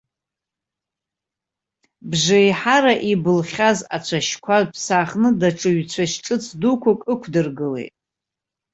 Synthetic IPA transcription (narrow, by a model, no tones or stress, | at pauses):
bʐejħaɾaʔibɨlχʲazat͡ɕʷʰaʃkʷʰapʰsaχnɨdaʈ͡ʂʼɨɥt͡ɕʷʰaʃʈ͡ʂʼɨt͡sʰdukʷʰakʼɨkʷʰdɨrɡɨlḛjtʼ